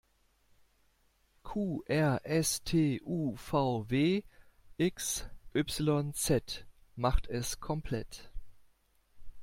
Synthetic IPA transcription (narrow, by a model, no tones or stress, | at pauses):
kʰuːʔɛɐʔɛstʰeːʔuːfaʊveːʔɪksʔʏpsɪlɔnt͡sɛtmaχtʰɛskʰɔmpʰl̥ɛt